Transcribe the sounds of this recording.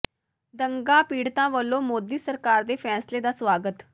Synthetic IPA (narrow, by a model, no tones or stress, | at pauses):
d̪əŋɡãːpiːɽt̪ãːʋəlːõːmoːd̪iːsəɾkaːɾd̪eːpʰɛːsleːd̪aːsʋaːɡət̪